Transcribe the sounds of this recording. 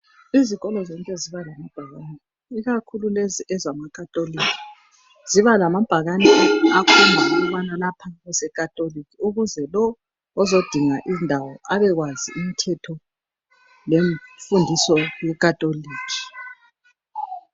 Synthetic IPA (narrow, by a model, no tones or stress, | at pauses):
iziɣɔlɔzɔŋkʼɛziβalamab̥ʱaɣanɛ | iɣakʰululeziʔɛzamakʰʼatʼolikʰi̥ | z̥iβalamab̥ʱaɣanɛakʰumʱauɣuβanalapʰaβɛsɛkʼatʼolikʰiuɣuzɛlɔː | zod̥ʱiŋaʔindʱawɔʔaβɛɣwaziimitʰɛtʰɔ | leɱfundʱisɔjɛkʼatʼoliːkʰi̥